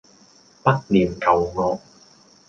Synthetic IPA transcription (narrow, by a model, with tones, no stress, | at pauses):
pɐ˥k̚liː˨˩mkɐ˨˧wŋɔː˨˧k̚